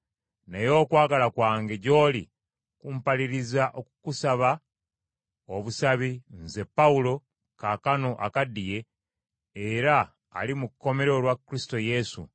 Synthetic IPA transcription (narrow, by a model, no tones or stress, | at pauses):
nejo̞ːkwaːɡalakwaːŋɡe̞ɟo̞ːli | kumpaliɾizaʔo̞kukusaβa | oβusaβinze̞pːaulo̞ | kakano̞ʔa̰kadːije̞ː | ɾa̰ː | limukːo̞me̞ɾeolwakːɾisi̥to̞je̞sṵ